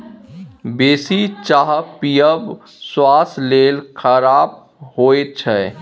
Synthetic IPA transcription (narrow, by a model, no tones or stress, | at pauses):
beːsit͡ʃaːɦpijəb | swaːsleːlkʰəɾaːb̚ | hoːet͡ʃʰɛ